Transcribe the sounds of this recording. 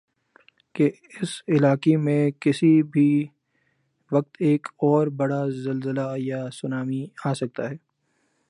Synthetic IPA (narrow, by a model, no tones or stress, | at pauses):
ke | ɪsɪlaːkemẽkɪsibʱi | ʋɐk̚t̪eːkɔːɾbɐɽazɐlzəlajasʊnaːmiaːsɐk̚t̪aɦɛː